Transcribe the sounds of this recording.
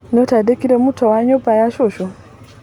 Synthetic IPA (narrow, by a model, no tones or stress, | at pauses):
notadekiɾemutʰowaɲopajaʃoʃo